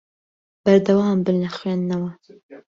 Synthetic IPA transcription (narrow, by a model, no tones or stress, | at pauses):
b̥ɐɾd̪ɐwɑːmbɨnlɐxwenːɐwɐ